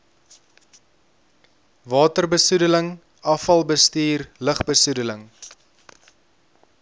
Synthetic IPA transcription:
vɑːtərbəsudələŋ | ɐfɐlˠbəstiːrləχbəsudələŋ

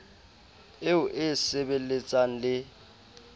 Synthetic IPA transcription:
eʊʔɪsɛbelet͡sʼaŋ̩lɪ

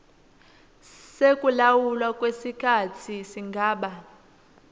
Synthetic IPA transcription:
sekʼulawulwakʼwesikʰatʰisiŋɡʱaːɓa

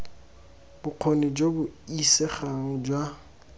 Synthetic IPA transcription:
bʊq͡χʰonid͡ʒobʊisɛχaŋɔd͡ʒwa

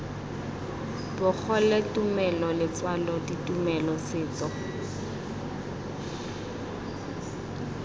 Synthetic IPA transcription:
bʊk͡xʰɔletʼumɛlɔlɪt͡swalɔditʼumɛlɔsɪːt͡sɔ

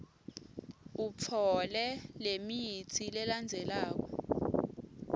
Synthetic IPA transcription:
up̪fʰɔlɛlemijit͡sʰilɛland͡zʱɛlaːk̬ɔ

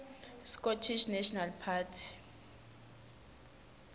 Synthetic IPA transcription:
skɔtʰiʃnɛʃɔnalpʰatʰi̥

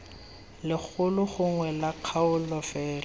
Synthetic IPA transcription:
lɪk͡xʰʊlʊχʊŋwɛlaq͡χʰaʊlɔfɛːlɔ

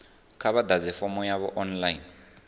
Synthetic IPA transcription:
kʰaβad̪ad͡zɛfɔmɔjaβɔʔɔnlain

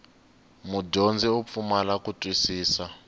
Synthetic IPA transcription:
muɟond͡ziup̪fumalakutʼwisiːsa

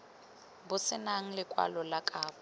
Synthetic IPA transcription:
bʊsɪnaŋ̩lɪkʼwa̰lɔlakʼaːbɔ

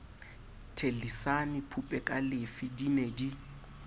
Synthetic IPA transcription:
tʰelisanipʰupʼɛkʼalɪfidinedi

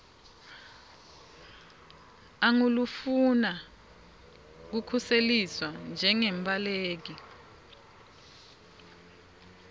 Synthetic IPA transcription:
aŋulufuna | k̬ukʰuseliswand͡ʒʱɛŋɛmbʼaleːk̬i

